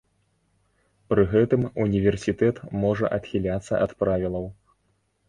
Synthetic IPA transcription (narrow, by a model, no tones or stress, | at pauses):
pɾɨɣɛt̪ɨmunʲivʲɛrsʲit̪ɛt̪mɔʐɐ̰ʔɐt̪xʲilʲat̪sːɐ̰ʔɐt̪pɾavʲilˠɐw